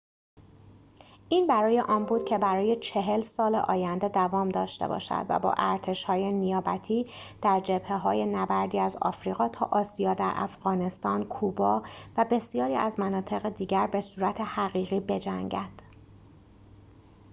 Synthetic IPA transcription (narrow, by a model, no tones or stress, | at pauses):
ʔiːnbæɾɒːje̞ʔɒːnbuːd̪̥cʰebæɾɒːje̞t͡ʃʰe̞ɦe̞lsɒːlḛʔɒːjænd̪e̞d̪ævɒːmd̪ɒːʃt̪e̞̰bɒ̰ːʃæ̰d̪̥væ̰bɒ̰ːʔæɾt̪ʰe̞ʃhɒːjenijɒːbæt̪ʰiː | d̪̥æɾd͡ʒeb̥heɦɒːje̞næbæɾd̪iːæzɒ̰ːfɾiːɣɒːt̪ʰɒːʔɒːsijɒːd̪æɾʔæ̰fɣɒːne̞st̪ɒːnkʰubɒːvæbe̞sijɒːɾiːæzmænɒːt̪ʰe̞ɣed̪iːɟæɾbe̞suːɾæt̪ʰe̞hæɣiːɣiːbe̞d͡ʒæŋɟæd̪̥